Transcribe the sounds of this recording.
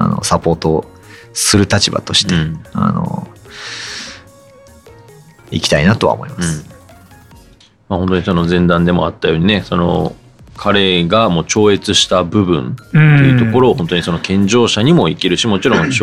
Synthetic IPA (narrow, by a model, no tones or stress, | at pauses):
a̰no̰sapo̞ːt̪o | sɨɾɯ̟t̪at͡ɕiba̰t̪oɕi̥t̪ẽa̰no̰ | ikʲi̥t̪ainat̪o̞a̰mo̞̰imasɨ̥ | mahont̪oɲ̟iso̞no̞zẽ̞nd̪ãnd̪e̞mo̞̰at̪ːajo̞ːɲ̟ine̞so̞no̞̰ | kʰaɾe̞ɡamo̞ːt͡ɕo̞ːe̞t͡sɨɕi̥t̪abɯ̟bɯ̟̰̃nt̪e̞jɯ̟t̪o̞ko̞ɾo̞ːhont̪o̞ɲ̟iso̞no̞kʰẽ̞ɲ̟d͡ʑo̞ːɕaɲ̟imo̞ikʲiɾɯ̟ɕimo̞t͡ɕiɾõ̞ɕ